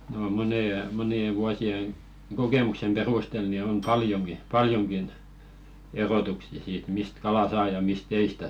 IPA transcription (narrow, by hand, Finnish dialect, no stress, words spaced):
no moneˑje monie ʋuosieŋ ɡ̊okeˑmuksem perustel ni on pɑljoŋki pɑljoŋkin erotuksiɑ̆ siːt mist kɑlɑ sɑː jɑ mist ei stæ